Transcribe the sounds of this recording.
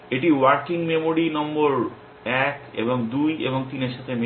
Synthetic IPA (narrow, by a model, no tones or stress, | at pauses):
eʈiwaɾkiŋmemoɾinɔmboɾ | ɛkḛboŋd̪ujḛboŋt̪ineɾʃat̪ʰeme